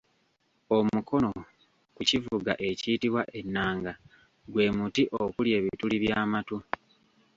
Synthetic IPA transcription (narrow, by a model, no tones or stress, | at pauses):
o̞mukʰo̞no̞ | kucivuɡa̰ʔe̞ciːtiβwaʔe̞nːaːŋɡa | ɡwe̞ːmutiʔokulje̞ːβituliβjaːmatu